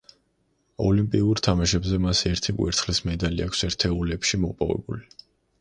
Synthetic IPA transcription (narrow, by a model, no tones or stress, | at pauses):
ɔlimpʼiuɾt̪ʰamaʃɛbzɛmasɛɾt̪ʰikʼwḭɾt̪sʰχlismɛd̪aliakʰsɛɾt̪ʰɛulɛpʃimɔpʼɔ̰vɛ̰bṵli